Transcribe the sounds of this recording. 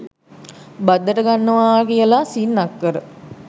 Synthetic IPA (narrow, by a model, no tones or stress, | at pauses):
bad̪ːəʈəɡanːəʋaːkijəlasinːakːəɾə